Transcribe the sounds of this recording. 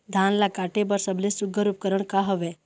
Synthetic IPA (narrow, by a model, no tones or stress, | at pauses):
d̪ʱanlakaʈebəɾsəblesuɡʱəɾup̚kəɾəɳkaɦɔʋe